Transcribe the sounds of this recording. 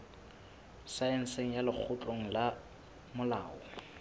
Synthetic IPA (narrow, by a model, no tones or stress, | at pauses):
saɛn̩seŋ̩jalɪk͡xʰʊt͡ɬʼoŋ̩la | mʊla̰ːɔ